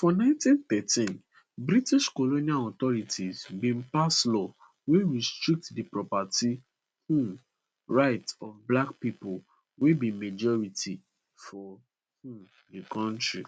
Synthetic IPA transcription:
fɔnãɪ̃ntĩnt̪ɛtĩn | bɾitiʃkoloniãɔt̪ɔɹitʰizbĩnpaslɔ | weɹistɹik̚tdipɹɔpati | hũ | ɹaɪtɔvblakpipol | webĩmed͡ʒɔɹitʰi | fɔ | hũ | dikɔ̃ntɹi

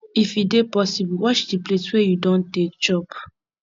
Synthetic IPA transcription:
ifidepɔsibwɔt͡ʃdipletwejudɔ̃ntek̚t͡ʃɔp

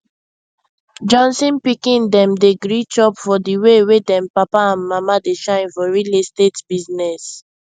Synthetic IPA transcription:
d͡ʒɔ̃nsɔ̃npikĩndɛ̃mdeɡɹit͡ʃɔpfɔdiwewedɛ̃mpapaãnmamadeʃãɪ̃nfɔɹilestetb̥iznɛs

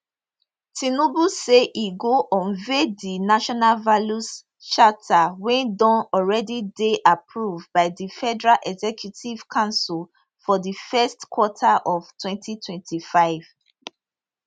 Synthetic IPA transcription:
tʰinobuseʔiɡoʔɔ̃nvedinaʃɔnalvalus | t͡ʃatʰawɛ̃ndɔ̃nɔlɹɛdideʔapʰɹuvbaɪðifɛdɛɹalʔɛɡzɛkʰjutʰiv̥kʰãʊ̃nsul | fɔðifɛstkʰwɔtʰaʔɔv̥tʰwɛ̃ntʰitʰwɛ̃ntʰifaɪv̥

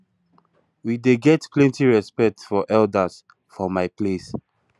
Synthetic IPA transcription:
wideɡɛtpʰlɛ̃ntiɹɛspɛk̚tfɔʔɛldəs | fɔmaɪples

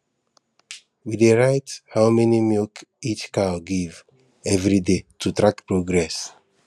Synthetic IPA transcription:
wideɹaɪthaʊmɛnimilkit͡ʃkaɡiv | ɛvɹidetʰutɹakpɹoɡɹɛs

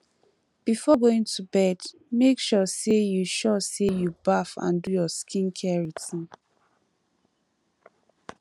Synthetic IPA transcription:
b̥ifɔɡoĩŋtubɛd | mekʃɔsejuʃɔsejubafã̰ndujɔskʰĩnkʰɛɹitĩn

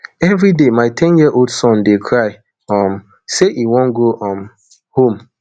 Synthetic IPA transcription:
ɛvɾidemaɪtʰɛ̃njiəʔoldsɔ̃ndekʰɹaɪ | ɔm̩ | seʔiwɔ̃nɡoʔɔm | hõm

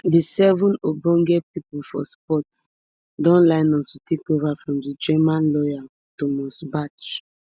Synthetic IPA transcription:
disɛvũnobɔ̃ŋɡɛpipulfɔspɔt | dɔ̃nlaɪnɔstutekovafɹɔ̃mdid͡ʒɛmãnlɔja | tomɔsbat͡ʃ

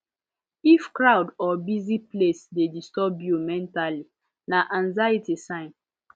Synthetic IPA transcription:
ifkɹawdɔbiziplesdedistɔbjumɛ̃ntali | naʔãnzajitisãɪ̃n

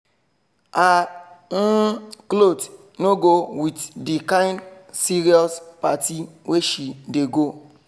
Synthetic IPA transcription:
an̩klot | noɡowitdikãɪ̃ndsiɾiɔspatiweʃideɡo

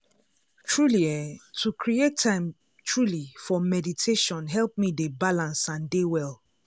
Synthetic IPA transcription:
tɹuliɛtʰukʰɹietʰːãɪ̃m | tʰɹulifɔmɛditʰeʃɔ̃nɦɛlˠp̚midebalãnsãndewɛl

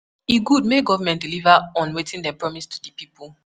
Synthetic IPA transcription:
iɡud̚meɡɔvamɛ̃ntdilivaɔ̃nwetĩndɛpɹɔmistʰu̥dəpipulˠ

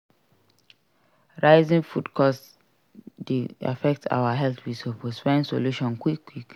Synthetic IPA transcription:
ɹaɪzĩŋfudkʰɔs | dea̰fɛk̚tʰa̰ʊwaɦɛltwisoposfãnso̰luʃɔ̃nkwikːwik

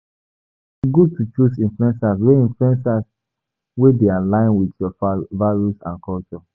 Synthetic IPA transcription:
iɡud̚tʰut͡ʃusĩɱfluɛ̃nsas̬weĩnfluɛ̃nsas | wedealãɪ̃nwidjɔvaɹusã̰nkʰɔlt͡ʃɔ

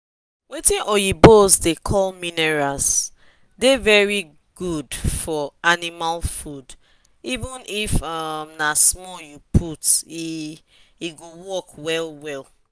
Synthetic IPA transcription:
wetĩnʔɔjibosdekʰɔlminɛɹas | devɛɹi | ɡ̥udfɔanimalfud | ivə̃nifʌmnasmɔjupʰuti | iɡowɔkwɛlwɛl

